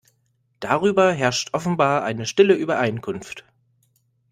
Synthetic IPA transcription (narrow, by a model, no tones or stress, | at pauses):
d̥aʁ̞yːbɐɦɛɐʃtʔɔfn̩baːɐʔa̰ɪnəʃtɪləʔyːbɐʔaɪnkʰʊnft